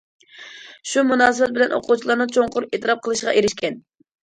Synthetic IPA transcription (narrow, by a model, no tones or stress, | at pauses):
ʃumunɑːsɨbɛt̪̚bɪlɛno̰qʰut͡ʃʰilˠɑɾnɨt͡ʃʰoŋqʊɾet̪ɨɾɑp̚qʰəlˠɨʃʁɑ̰ʔeɾɪʃkʲʰɛn